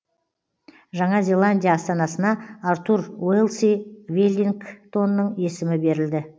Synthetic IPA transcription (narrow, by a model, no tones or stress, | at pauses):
ʒɑɴɑzʲe̞lˠanʲdʲijaːst̪ɑnɑsənɑaɾt̪uɾwelˠsivelʲiŋkt̪ʰo̞nːəɴe̞sɪmɪbe̞ɾɪld̪ɪ